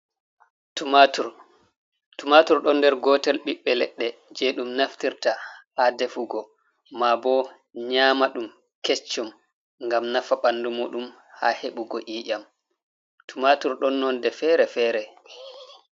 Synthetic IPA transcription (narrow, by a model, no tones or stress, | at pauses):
tumatuɾɗɔndɛɾɡɔtɛlɓiɓːɛlɛɗːɛd͡ʒɛɗumnaftiɾtahadɛfuɡɔ | mabɔ | ɲaːmaɗum | kɛt͡ʃːɔm | ŋɡamnafaɓandumṵːɗum | haheɓuɡɔʔiːʔam | tʰumatuɾɗɔnːɔndɛfɛɾɛfɛːɾɛ